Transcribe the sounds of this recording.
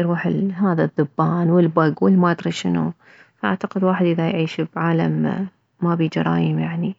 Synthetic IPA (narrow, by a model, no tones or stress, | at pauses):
ɾuːħɪlɦaːðaðːʊbːaːnwɪlbaɡwɪlmad̪ɾɑʃɪnṵ | faʔa̰ʕt̪aqɪd̪waːħɪd̪ʔɪðajʕiːʃbʕaːla̰mː | abiːd͡ʒɑ̰ɾˤɑ̰ːjɪmjaʕni